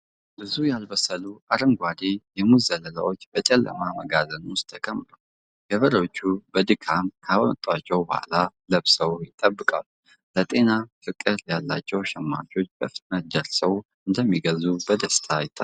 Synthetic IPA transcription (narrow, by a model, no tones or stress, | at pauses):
bɨzujalbəsəluʔaɾɨŋɡʷad̪ejɛmuzələla̰wo̞t͡ʃːbət͡ʃʼɛlːə̰maməɡazənwʊst̪ʰːəkʼəmːɨɾu | ɡ̥əβəɾəot͡ʃːubəd̪ɨkʰamkʰawɔt̪ʼwat͡ʃːɛwbəha̰laləβsəwjɪt̪ʼəbːɨkʼa̰lu | lət̪ʼe̞nafɨkʼːɨɾjalːa̰t͡ʃːɛwʃɛmːa̰t͡ʃʼo̞t͡ʃːbəfɨt̪nət̪d̪əɾsəwʔɨnd̪əmːiɡəzubəd̪əst̪ʰajɪt̪ʼːa